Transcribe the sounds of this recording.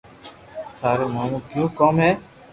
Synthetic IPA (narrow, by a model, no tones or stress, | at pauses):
t̪ʰaːɾeːmaːmũːkjõːkoːmɦɛː